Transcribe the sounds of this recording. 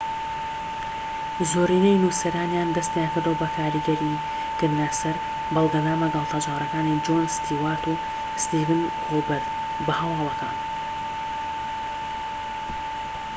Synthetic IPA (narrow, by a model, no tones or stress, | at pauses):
zoːriːnɐjnusɐɾaːnjaːnd̪ɐst̪jaːnkɨɾd̪owbɐkʰaːɾɨɡɐɾi | kɨɾd̪nɐsɐɾ | bɑlˠɡɐnaːmɐɡɐlˠt̪ʰaːd͡ʒaːɾɐkaːnid͡ʒonst̪ʰiːwaːɾt̪u | st̪iːvɨnrubɐɾd̪ | bɐhɐwɑːlˠɐka̰ːn